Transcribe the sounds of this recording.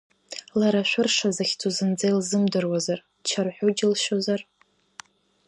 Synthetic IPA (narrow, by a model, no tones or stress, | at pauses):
laɾaʃʷᶣʊrʂazaxʲt͡sʰuzɨnd͡zajlzɨmdɨrwazar | t͡ʃʰarħʷᶣod͡ʒɪlʃozar